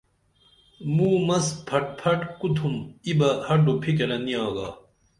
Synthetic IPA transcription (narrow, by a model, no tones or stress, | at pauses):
muːmɐspʰɐʈ̚pʰɐʈkut̪ʰumibɐhɐɖupʰikeɾɐniaːɡaː